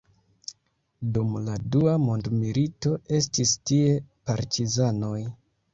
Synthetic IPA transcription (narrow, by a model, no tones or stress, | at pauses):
dumladuamo̞ndmilito̞e̞stistie̞paɾtizano̞j